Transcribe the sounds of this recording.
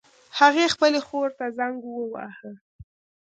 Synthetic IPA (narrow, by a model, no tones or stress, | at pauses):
haɣexpəlexoɾt̪azaŋɡwəwɑ̰hə